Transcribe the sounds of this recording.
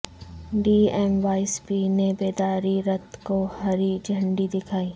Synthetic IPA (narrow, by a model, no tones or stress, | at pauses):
ɖiːɛːmʋaːɪspinebeːd̪aːɾiɾɐt̪kohɐɾid͡ʒʱə̃ɳɖid̪ɪkʰaːiː